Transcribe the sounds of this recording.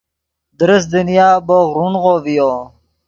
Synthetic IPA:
d̪əɾəs̬d̪inijaːboɣɾunɣovijo

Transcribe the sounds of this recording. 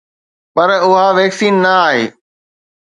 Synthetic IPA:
pɐɾʊɦaʋeːksiːnːɐaːɦḛː

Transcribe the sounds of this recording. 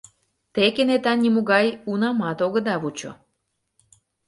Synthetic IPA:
t̪ekenet̪ɑnnʲimuɣɑjunɑmɑt̪oɣə̆d̪ɑβut͡ɕo̰

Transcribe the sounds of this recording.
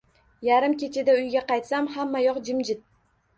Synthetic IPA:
jaɾɪmkʲʰe̞t͡ʃʰɪd̪aʊjɡʲaqɑjt̪samhamːajɒqd͡ʒɪmd͡ʒɪd̪̚

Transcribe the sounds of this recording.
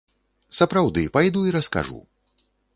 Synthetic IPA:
sɐpɾawd̪ɨpajd̪uiɾɐska̰ʐṵ

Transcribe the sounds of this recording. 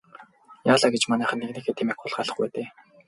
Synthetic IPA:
jaːɮaɡet͡ɕmanæːχə̆nːeɣniːxeːt̪ʰemeːkʊɮɢaɮə̥̆χpæ̰ːt̪eː

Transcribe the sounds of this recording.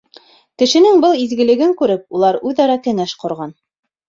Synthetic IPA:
kɘ̆ʃɘ̆nɘŋbɤlˠizɡɘ̆lɘ̆ɡɘŋkʉɾɘp̚ulˠɑɾʉðɑɾɑkɘ̆ŋæʃqŏɾʁɑn

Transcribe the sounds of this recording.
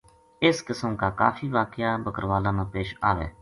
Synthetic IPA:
ɪskɪsəmkaːkaːfʰiːʋaːkɪjaːbəkəɾʋaːlãːnãːpeːʃaːʋḛː

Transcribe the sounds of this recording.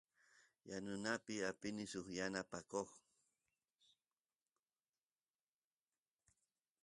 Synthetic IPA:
janʊnapɪapɪnɪsoχjanapakoχ

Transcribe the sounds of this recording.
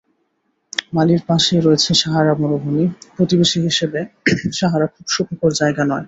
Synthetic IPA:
maliɾpaʃeɾɔet͡ɕʰeʃaɦaɾamonobʱunipɾot̪ibeʃiɦiʃebeʃaɦaɾakʰubʃukʰokoɾd͡ʑaeɡanɔe

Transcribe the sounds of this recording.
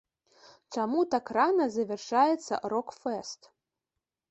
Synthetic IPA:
t͡ʃamut̪akranɐzɐvʲɛrʂajɛt̪sɐ̰ɾokfɛst̪

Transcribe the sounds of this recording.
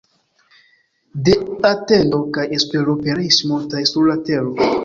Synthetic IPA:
deate̞ndo̞kajespe̞ɾopeɾismotajsuɾlate̞ɾo

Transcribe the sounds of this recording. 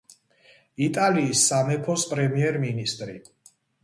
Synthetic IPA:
it̪ʼaliːsːamɛpʰɔspʼɾɛmiɛɾminist̪ʼɾi

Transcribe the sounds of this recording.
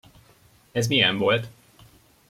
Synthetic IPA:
ɛzmijɛɱvo̞lt̪

